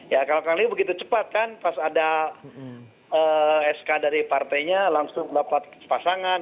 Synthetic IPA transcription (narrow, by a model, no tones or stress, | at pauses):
jakalakalibəɡit̪ut͡ʃəpat̪̚kanpasada | əːɛskadaɾipart̪ajɲalaŋsʊŋdapat̪̚pasaŋan